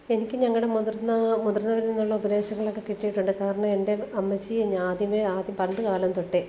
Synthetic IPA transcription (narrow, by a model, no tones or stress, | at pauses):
e̞nikʲːɨɲɐŋːɐɭɽe̞murnːɐmud̪rnːɐʋɐɾninːuɭːɐobɐd̪e̞ːɕɐŋːɐɭokːekiʈːijiʈːuɳɖɨkaːɾɐɳɐme̞nde̞ɐmːɐt͡ɕːiɲaːd̪jɐmeaːd̪jɐmpɐɳɖɨkaːlɐmt̪oʈːe